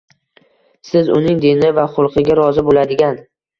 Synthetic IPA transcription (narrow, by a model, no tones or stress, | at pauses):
sɪzʊ̰nɪŋd̪enɪvaχʊlˠqʰɨɡʲaɾɒzɪbolad̪ɪɡʲan